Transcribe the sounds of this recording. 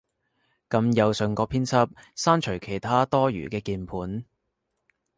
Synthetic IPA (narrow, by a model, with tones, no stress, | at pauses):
kɐ˧mjɐ˨˧wsɵ˨ŋkɔː˧pʰiː˥nt͡sʰɐ˥p̚saː˥nt͡ʃʰɵ˨˩ɥkʰe˨˩jt̪ʰaː˥t̪ɔː˥jy̰ː˨˩kɛː˧kiː˧npʰuː˨˥n